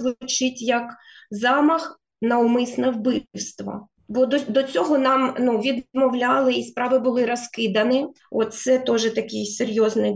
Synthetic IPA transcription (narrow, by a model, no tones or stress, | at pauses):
ʋt͡ʃɪtʲjɐkzɑmɐx | nɐʊmɪsnɛwbɪwst̪ʋɐ̰ | bɔd̪ɔd̪ɔt͡sʲɔɦɔnɑmnuʋʲid̪mɔwlʲɑlˠɪispɾɑʋɪbʊlˠɪɾɔskɪd̪ɐnɪ | ɔt̪sɛt̪ɔʒɛt̪ɐkʲɪjserʲjɔznɪ